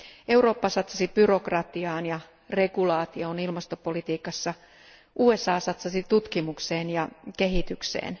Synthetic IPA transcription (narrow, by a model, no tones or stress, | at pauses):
ʔe̞wro̞ːpːɑsɑt̪sɑsibyro̞krɑt̪iɑːnjɑ | re̞ɡulɑːt̪ioːnilmɑst̪opolit̪iːkɑsːɑ | ʔuːesɑːsɑt̪sɑsit̪ut̪kimukseːnjɑke̞ɦit̪yksḛːn